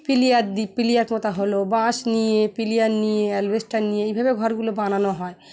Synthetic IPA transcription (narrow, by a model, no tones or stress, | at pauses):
pilijaɾd̪ipilijaɾkɔt̪aɦolobãʃnijepilijaɾnijeɛlwesʈanijeejbʱabeɡʱɔɾɡulobananoɦɔe